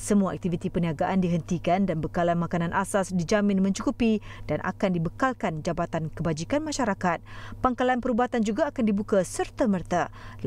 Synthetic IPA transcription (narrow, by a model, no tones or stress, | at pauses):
səmuaa̰k̚t̪ifit̪ipəniaɡaʔandiɦənt̪ikandanbəkalanmakanãnʔasasdid͡ʒamɪ̃nmə̃ɲt͡ʃukupid̥anʔa̰kandibəkalkand͡ʒabat̪ankəbad͡ʒikanmãʃaɾakat̪̚paŋkalanpəɾubat̪and͡ʒuɡaːkandibukasərt̪amərt̪a